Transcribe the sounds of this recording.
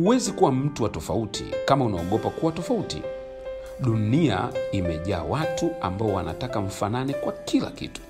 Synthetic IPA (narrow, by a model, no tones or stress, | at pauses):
huwɛzikuwam̩tuwatɔfautʰḭkamaunaɔɠɔpakuwawtɔfautḭ | ɗunia̰imɛʄaːwatuambaɔwana̰takaɱ̩fananikwakila̰kḭtu̥